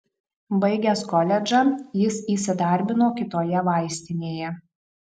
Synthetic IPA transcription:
bɐɪɡʲɛskɔlʲɛd͡ʒɑjɪsiːsʲɪd̪ɐˑɾʲbʲɪnoːkʲɪt̪oːjɛʋɑˑɪsʲt̪ʲɪnʲeːjɛ

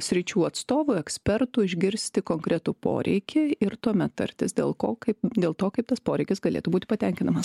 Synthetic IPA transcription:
sʲɾʲɪt͡ʃʲuːɐt̪st̪oːʋʊɛksʲpʲɛɾt̪ʊɪʒʲɡʲɪɾʲsʲt̪ʲɪkoːŋkɾʲɛt̪ʊpo̰ːɾʲʔɛ̰ɪkʲɪɪɾt̪uɔmʲɛt̪t̪ːɐ̰ɾʲt̪ʲɪsd̪ʲḛːlˠkoːkɐɪpd̪ʲeːlˠt̪oːkɐɪpt̪ɐspoːɾʲɛɪkʲɪsɡɐlʲḛːt̪ʊbuːt̪ʲɪ̥pɐt̪ʲɛŋʲkʲɪnɐmɐs

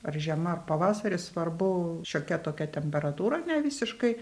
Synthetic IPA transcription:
ɐrʒʲiɛmɐɐrpɐʋɑːsɐɾʲɪsʋɐrbʊʃʲoːkʲɛt̪oːkʲɛt̪ʲɛmʲpʲɛɾɐt̪uːɾɐnʲɛʋʲiːsʲɪʃkɐɪ

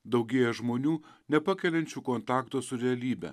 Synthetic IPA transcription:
d̪ɒʊɡʲeːjɛʒmoːnʲuːnʲɛpɑkʲɛlʲɛnʲt͡ʃʲuːkoːnt̪ɑːkt̪oːsʊɾʲɛɐlʲiːbʲɛ̰

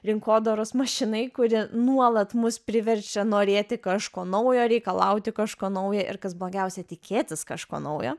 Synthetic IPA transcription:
ɾʲɪŋkoːd̪oɾosmɐʃʲɪnɐɪkʊɾʲɪnuɔlˠɐt̪mʊspʲɾʲɪʋʲɛɾʲt͡ʃʲɛnoːɾʲeːt̪ʲɪkɑʃkoːnɐʊjoːɾʲɛɪkɐlˠɐʊt̪ʲɪkɑʃkoːnɐʊjɛʔɪ̰ɾkɐsblˠoːɡʲɛʊsʲɛt̪ʲɪkʲʰeːt̪ʲɪskɑʃko̰ːnɐʊjo̰ː

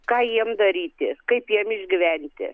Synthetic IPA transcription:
kɑːjiɛmd̪ɐɾʲiːt̪ʲɪkɐɪpjiɛmɪʒʲɡʲɪʋʲɛnʲt̪ʲɪ̰

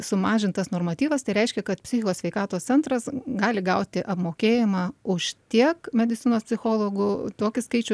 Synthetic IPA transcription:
sʊmɑːʒʲɪnt̪ɐsnoːrmɐt̪ʲiːʋɐst̪ɐɪɾʲɛɪʃʲkʲɛkɐt̪pʲsʲɪxʲɪkoːsʲʋʲɛɪkɑːt̪oːssʲɛnt̪ɾɐsɡɑːlʲɪɡɐʊt̪ʲɪʔɐpmoːkʲeːjɪmɑːʊʃt̪ʲiɛkmʲɛd̪ʲɪt̪sʲɪnoːspʲsʲɪxoːlˠoːɡʊt̪oːkʲɪskɐɪt͡ʃʲʊ

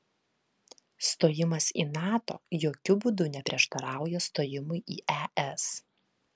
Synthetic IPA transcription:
st̪oːjɪmɐsiːnɑːt̪o̰ːjoːkʲʊbuːd̪ʊnʲɛpʲɾʲiɛʃt̪ɐɾɑˑʊjoːst̪oːjɪmʊjʔiːʔɛʔɛs

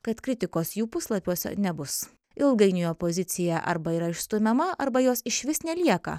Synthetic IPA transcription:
kɐt̪kɾʲɪt̪ʲɪkoːsjuːpʊslˠɐpʲuɔsʲɛ̰nʲɛbʊs | ɪlˠɡɐɪnʲɪjoːpoːzʲɪt̪sʲɪjɛʔɐ̰ɾbɐiːɾɐɪʃst̪ʊmʲɛmɐʔɐɾbɐjoːsɪʃʲʋʲɪsnʲɛlʲiɛkɐ̰

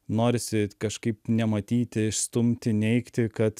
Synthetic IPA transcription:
noːɾʲɪsʲɪkɐʃkɐɪpnʲɛmɐt̪ʲiːt̪ʲɪɪʃst̪ʊmʲt̪ʲɪnʲɛɪkt̪ʲɪkɐt̪

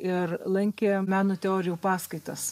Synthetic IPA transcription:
ɪɾlˠɐŋʲkʲeːmʲæːnoːt̪ʲɛoːɾʲɪjuːpɑːskɐɪt̪ɐs

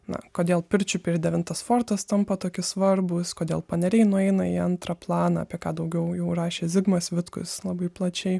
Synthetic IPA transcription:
nɐ̰koːd̪ʲeːlˠpʲɪɾʲt͡ʃʲʊpʲeɪɾd̪ʲɛʋʲɪnt̪ɐsfoːrt̪ɐst̪ɐmpɐt̪oːkʲɪsʋɐrbʊskoːd̪ʲeːlˠpɐnʲɛɾʲɛɪnʊɛɪnɐiɐnt̪ɾɐplˠɑːnɐɐ̰pʲiɛkɑːd̪ɐʊɡʲɛʊjɛʊrɑːʃʲeːzʲɪɡmɐsʋʲɪt̪kʊ̰slˠɐbɐɪplˠɐt͡ʃʲɛɪ

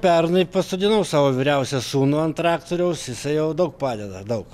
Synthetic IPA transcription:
pʲɛrnɐɪpɐst̪od̪ʲɪnɐʊsɑːʋoːʋʲiɾʲɛʊsʲɛsuːnoːɐnt̪ɾɑːkt̪oːɾʲɛʊsjɪsɐɪjɛʊd̪ɐʊk̚pɑːd̪ʲɛd̪ɐd̪ɐʊk

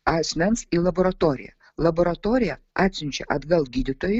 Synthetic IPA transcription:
aːsʲmʲɛnsiːlˠɐboɾɐt̪oːɾʲɪ̰jɛ̰ | lˠɐboɾɐt̪oːɾʲɪjɛ | aːt̪ʲsʲɪnʲt͡ʃʲɛ̰ʔɐd̪ɡɐlˠɡʲiːd̪ʲɪt̪oːjɪ

